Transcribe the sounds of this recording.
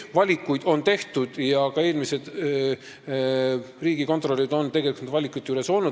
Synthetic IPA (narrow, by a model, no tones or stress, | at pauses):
vɑlʲikːˑujd̪̥o̞nt̪e̞ht̪ud̪̥jɑkɑeːlmise̞d̪̥ | riːɡ̥iko̞nt̪ˑro̞lʲːid̪o̞nt̪e̞ɡ̥elikut̪vɑlʲikːˑujt̪ːˑjuɾe̞so̞lnu̥